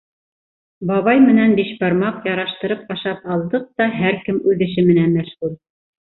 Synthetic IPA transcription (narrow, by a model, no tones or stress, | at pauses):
bɑβɑjmɘ̆nænbiʃbɑɾmɑqjɑɾɑʃt̪ɤ̆ɾɤp̚ɑʃɑpɑlˠd̪ɤq̚t̪ɑɦæɾkɘmʉðɘ̆ʃɘmɘ̆nænmæʃʁʉl